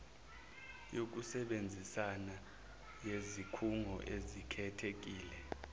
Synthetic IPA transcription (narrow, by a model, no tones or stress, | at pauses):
jok̬usɛɓend͡zʱisana | jezikʰuŋʱɔʔezikʰɛtʰek̬iːlɛ